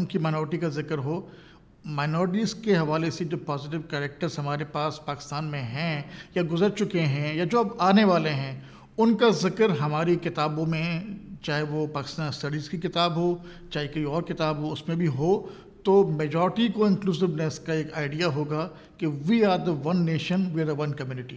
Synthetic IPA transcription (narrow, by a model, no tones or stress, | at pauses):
ʊnkimaːɪnɔːɾɪʈikazɪkəɾɦoː | maːɪnɔːɾɪʈ̬iːzkeɦɐʋaːlesed͡ʒoːpɔːzɪʈ̬ɪʋkɛːɾɛk̚ʈəɾzɦɐmaːɾepaːspaːkɪ̥st̪aːnmẽɦɛ̃jaɡʊzəɾt͡ʃʊkeɦɛ̃jad͡ʒoːɐbaːneʋaːleɦɛ̃ː | ʊnkazɪkəɾɦɐmaːɾikɪt̪aːbõmẽt͡ʃaːɦɛʋopaːkɪ̥st̪aːnɪsʈɐɖiːzkikɪt̪aːbɦo | t͡ʃaːɦekɐiɔːɾkɪt̪aːbɦoʊsmẽbʱiɦoː | t̪oːmeːd͡ʒɔːɾɪʈikoɪ̃nkluːzɪʋneskaeːkaːɪɖijaɦoːɡa | keʋiːaːɾd̪əʋɐ̃nːeːʃənʋiaɾd̪əʋɐ̃nkɐmjuːnɪʈi